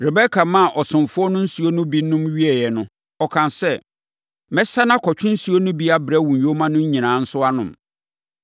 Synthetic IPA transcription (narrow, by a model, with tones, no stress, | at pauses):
ɾɪ˨bɛ˦kʰa˨mã˦˨ʔɔ˨sʊ̃˨mfʊ˦ɔ˦nʊ̃˦n̩˦su˨˦o˦nʊ̃˦bi˦nʊ̃˦mɥi˦ɛ˨jɛ˨nʊ̃˦ | ɔ˨kʰã˨nsɛ˦ | mɛ˦sa˦nã˦kʰɔ˨t͡ɕᶣɪ̃˦n̩˦su˦o˦nʊ̃˦bi˦a˦bɾɛ˦wũ˨jo˦mã˦nʊ̃˦ɲ̩˦ɲĩ˨nãː˨˦n̩˦sʊ˦a˦nʊ̰̃˨m